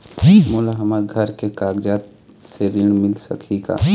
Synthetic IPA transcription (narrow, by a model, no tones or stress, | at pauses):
mulaɦɐmaɾɡʱəɾkekaːɡd͡ʒaːt̪ | seɾɪɳ̃mɪlsə̰kʰiɡa̰ː